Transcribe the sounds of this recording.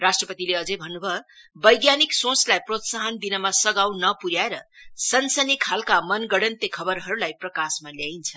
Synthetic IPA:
rasʈrʌpʌt̪ileʌd͡zʌjbʱʌnːubʱʌbʌjɡjaniksõt͡slajprot̪saɦʌnd̪inʌmasʌɡawnʌpuɾjaeɾʌsʌnsʌnikʰalkamʌnɡʌɽʌnt̪ekʰʌbʌɾɦʌɾulajprʌkasmaljajnt͡sʰʌ

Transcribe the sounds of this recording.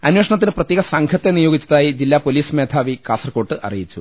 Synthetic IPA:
ɐnweːʂɐɳɐt̪̬ːinɨprɐt̪jeːɣɐsɐŋkʰɐt̪ːe̞nijoːɡit͡ɕːɐðaːjid͡ʑilːaːpoliːsmeːt̪ʰaːʋikaːsɐrko̞ːʈːɨʔɐ̰rḭjit͡ɕːu

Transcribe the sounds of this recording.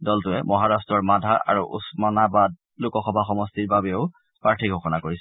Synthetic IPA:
dɔltʊɛmɔɦaɹastɹɔɹmadʱaʔa̰ɹuʔṵsmɔnabad̚ | lukɔxɔbʱaxɔmɔstiɹbabɛʊ | pɹaɹtʰikɡʱoxɔnakoɹisɛ

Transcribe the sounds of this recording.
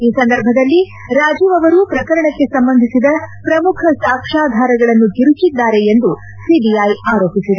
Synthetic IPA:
iːsɐnd̪ɐɾbʱɐd̪ɐlːi | ɾaːd͡ʒiːʋɐʋɐɾuːpɾɐkɐɾɐɳɐkːe̞sɐmbɐnd̪ʱisid̪ɐpɾɐmukʰɐsaːkʂaːd̪ʱaːɾɐɡɐɭɐnːuɡ̪iɾut͡ʃid̪ːaːɾe̞end̪u | siːbijajaːɾoːpisid̪e

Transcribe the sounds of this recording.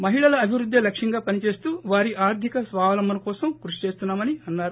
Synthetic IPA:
mɐɦiɭɐlɐːbʱiʋɾud̪ʱːelɐkʂɐŋɡaːpɐnit͡ʃe̞ːst̪uːʋaːɾiʔaːɾd̪ʱikɐsʋaːʋɐlɐmːɐnɐkɔːsɐmkɾuʂi̥t͡ʃeːst̪unːaːmɐniɐnːaːɾu

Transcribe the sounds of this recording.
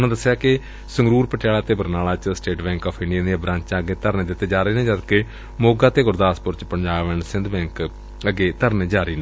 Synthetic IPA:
nãd̪əsːejaːkɪ | səŋɡɾuːɾpəʈɪjaːlaːt̪eːbəɾnaːlaːt͡ʃsʈeːʈbɛ̃ːŋkɔːpʰɪ̃ɳɖijãːneabɾãːɲt͡ʃãəɡeːt̪əɾneːd̪ɪt̪ːeːd͡ʒaːɾiːnẽːd͡ʒəd̪kɪ | moːɡaːt̪eːɡʊɾd̪aːspʊɾt͡ʃpəɲd͡ʒaːʋɛnsɪ̃nd̪bɛ̃ːŋk | əɡeːt̪əɾned͡ʒaːɾiːnẽ

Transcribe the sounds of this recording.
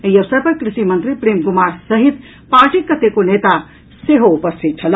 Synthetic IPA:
ejɐʋsɐɾpɐɾkɾɪʃimɐnt̪ɾipɾiːmɡʊmaːɾsɐɦit̪ | paːɾʈikːɐt̪ʰekoneːt̪a | seɦoupɐst̪ʰit̪̚t͡ʃʰɐl

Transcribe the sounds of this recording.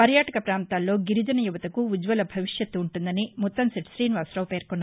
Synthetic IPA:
pɐɾjaːʈɐkɐpɾaːnt̪aːlːo̞ːɡiɾid͡ʒɐnɐjuʋɐt̪ɐkuʋud͡ʒʋɐlɐbʱɐʋiʂjɐt̪ːuːɳʈund̪ɐnimɔt̪ːɐmsɐʈsɾiːnʋaːsɾɐːpeːɾkɔnːa

